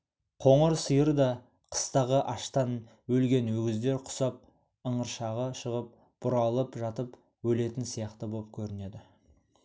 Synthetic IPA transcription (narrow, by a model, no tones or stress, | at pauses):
qʰo̞ɴəɾsəjəɾd̪ɑ | qʰə̥st̪ɑʁəʔɑʃt̪ɑn | wɵlɡʲe̞nwɵɡʲɪzd̪e̞ɾqʰʊ̥sɑp̚ | əɴəɾʃɑʁəʃəʁəp̚ | b̥ʊɾɑlˠəpʒɑt̪əp | wɵle̞t̪ɪnsijɑqt̪əbop̚kʲʰɵɾɪne̞d̪ɪ